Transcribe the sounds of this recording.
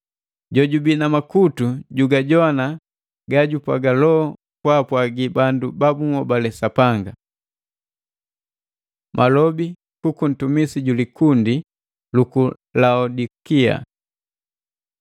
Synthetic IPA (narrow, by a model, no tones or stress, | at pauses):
ɟɔɟubinamakutuɟuɡaɟɔana | ɡaɟupaɡalɔ | pwapwaɡibandubabuŋɔbalɛsapaŋɡa | mʔalɔbi | kukun̩tumisiɟulikundi | luku | laɔdikia̰